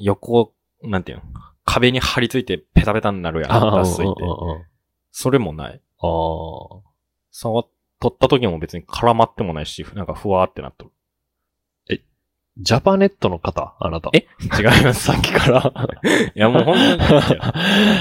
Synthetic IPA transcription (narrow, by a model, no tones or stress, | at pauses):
jo̞ko̞ | nãnt̪e̟nkʰabe̞ɲ̟ihaɾʲit͡sɨit̪e̞pe̞t̪ape̞t̪ãnnaɾɯ̟jã̰d̪asɨĩt̪ḛ̃ | so̞ɾe̞mo̞na̰ḭ | a | saβat̪ːo̞t̪ːat̪o̞k̬ʲimo̞be̞t͡sɨɲ̟ikʰaɾamat̪ːe̞mo̞naiɕinãŋkaɸɯ̟βaːt̪ːe̞na̰t̪ːoɾɯ̟ | e | d͡ʑapane̞t̪ːo̞no̞kat̪aa̰nat̪a̰et͡ɕiɡaimasɨ̥saŋkʲi̥kaɾa | jamooːɦõ̞nt̪oɲi